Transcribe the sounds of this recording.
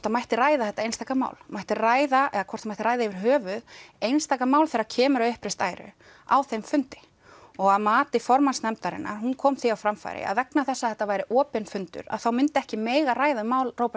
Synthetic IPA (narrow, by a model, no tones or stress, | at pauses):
ɔt̪amajht̪ɪraːjðaθɛht̪aejnst̪aːkama̰ːwlmajht̪ɪraːjðaʔɛðakʰɔrt̪amajht̪ɪɾajðaɪvɪɾ̥ɦœːvʏðejnst̪aːkamaːwlθɛːɾacʰɛːmʏɾawʏhpɾɪst̪a̰ːjɾʏ̰ | a̰wθejmfʏnt̪ɪ̥ | ɔɣaðmaːt̪ɪfɔɾmansnɛmt̪aɾɪ̰nːa̰ɾ̥hunkʰɔːmθiawfɾamfa̰jɾɪ̰a̰ðvɛknaθɛsːaθhɛht̪ːavaːjɾɪʔɔːpɪnfʏnt̪ʏ̰ɾa̰ðθawmɪnt̪ɪɛhcɪmɛːjɣaraːjðaʏmaːwlroːwpa